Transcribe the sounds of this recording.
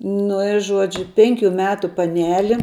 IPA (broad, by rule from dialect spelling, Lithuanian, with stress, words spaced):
ˈnʊ ɪ ˈʒuɔd͡ʒʲʊ ˈpʲɛŋʲkʲʊ ˈmʲæːtʊ pɐˈnʲæːlʲɪ